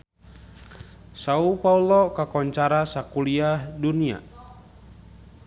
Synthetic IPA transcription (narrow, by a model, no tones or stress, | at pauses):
saupaulɔkakɔɲt͡ʃaɾasakuliahdunia̰